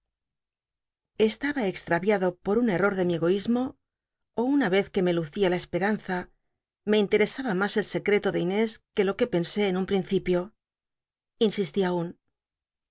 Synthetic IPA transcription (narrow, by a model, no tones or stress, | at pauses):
e̞st̪aβaekst̪ɾaβjaðo̞poɾune̞ro̞ɾðe̞mie̞ɣo̞izmo̞ː | unaβe̞θke̞me̞luθialaespe̞ɾan̟θa | me̞int̪e̞ɾe̞saβamase̞lse̞kɾe̞t̪o̞ðe̞ine̞ske̞lo̞ke̞pe̞nse̞ːnumpɾin̟θipjo̞ | insist̪iaun